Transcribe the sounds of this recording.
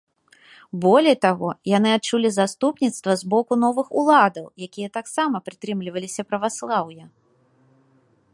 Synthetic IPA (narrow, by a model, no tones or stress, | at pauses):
bɔlʲɛjt̪aɣɔjanɨat̪̚t͡ʂulʲizast̪upnʲit̪st̪vɐzbɔkunɔvɨxulˠad̪ɐwjakʲijɐt̪aksamɐpɾɨt̪ɾɨmlʲivɐlʲisʲɐpɾɐvaslˠawjɐ